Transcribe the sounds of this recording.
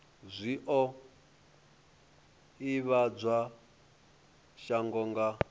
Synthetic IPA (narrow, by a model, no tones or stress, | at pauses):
zʷiʔɔ | iβad͡zʷa | ʃaŋɡɔŋɡa